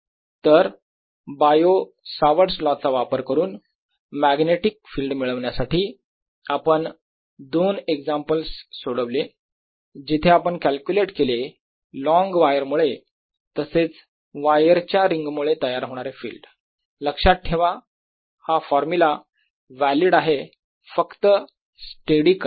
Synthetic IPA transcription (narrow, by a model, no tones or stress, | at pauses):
t̪əɾ | bajo | saʋəɾslɔt͡saʋapəɾkəɾuːn | mæɡneʈik̚fiːlɖmiɭəʋɳjasaʈiː | apəɳ | d̪oneɡd͡zampəlsːoɽəʋle | d͡ʑit̪ʰeapəɳkælkjuleʈkele | lɔ̃ŋɡʋajəɾmuɭe | t̪əset͡s | ʋajəɾt͡ɕjaɾiŋɡmuɭet̪əjaɾɦoɽ̃aɾefḭːlɖ | ləkʂat̪̚ʈʰːeʋa | hafɔɾmula | ʋæliɽaɦe | fəkt̪ə | sʈeɽik